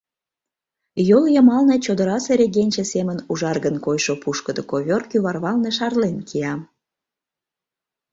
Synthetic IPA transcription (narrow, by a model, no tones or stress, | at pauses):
joljəmɑlnet͡ɕod̪əɾɑseɾʲeɣenʲt͡ɕesemənuʒɑrɣənkojʃopuʃkəd̪okoβʲorkyβɑrβɑlneʃɑrlenkʰiɑm